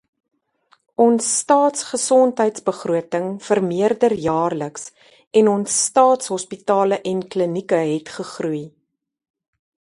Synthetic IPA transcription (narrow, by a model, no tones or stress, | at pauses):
ʔɔnsːtɑːtsχəsɔntɦəjtsbəχruətəŋfərmiərdərjɑːrləks | ɛnɔnsːtɑːtsɦɔspitɑːləʔɛnklənikəɦɛtχəχruj